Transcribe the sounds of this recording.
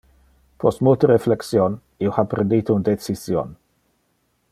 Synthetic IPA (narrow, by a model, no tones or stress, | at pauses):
pʰɔst̪mult̪əɾefleksjon | ioxapɾend̪iːt̪ound̪et͡sisjo̰n